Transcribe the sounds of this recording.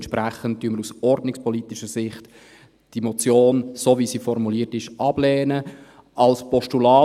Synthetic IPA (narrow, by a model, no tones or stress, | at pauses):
nʃpɾæχənt̚tyənməɾusɔɾdnɪkspɔlit̪ɪʃəsɪχt | d̥imot͡sjoːnsoːviːsiːfɔɾmuliːətɪʃʔɑb̥lɛːnə | ʔɑlspɔʃtulɑː